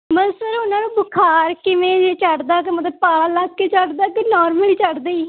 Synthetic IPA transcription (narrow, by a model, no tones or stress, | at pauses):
məsəɾʊnãːnũːbʊkʰaːɾkɪʋẽːd͡ʒeːt͡ʃəɖd̪aːkemət̪ləbpaːlaɡkeːt͡ʃəʈd̪aːkenɔːɾməliːt͡ʃəɽd̪eiː